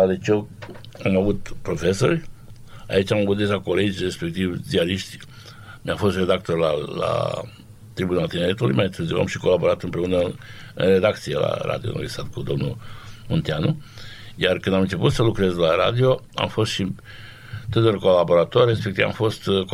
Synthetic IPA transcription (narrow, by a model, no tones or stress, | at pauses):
ad̪et͡ʃewamavut̪pɾo̞fe̞so̞̰rʲ | a̰it͡ʃamavut̪d̪e̞ʒako̞le̞d͡ʒʲre̞spe̞k̚t̪ivd͡ʒialiʃt̪ʲ | mjafo̞st̪re̞d̪ak̚t̪o̞rlala̰ | t̪ɾibunalt̪ineɾet̪ulṵjmajint̪ɨzio̰a̰mʃi̥ko̞labo̞ɾat̪ɨmpɾe̞unəɨ̰nre̞d̪akt̪siela̰ɾa̰d̪ijo̰ma̰vʲist̪at̪̚kud̪o̞mnṵmont̪ianujarkɨnd̪amɨnt͡ʃe̞put̪səlukɾe̞zlaɾa̰d̪io̞ | a̰mfo̞st̪ʃi | t̪ɨt̪orko̞labo̞ɾat̪o̞rre̞spek̚t̪iva̰mfo̞st̪k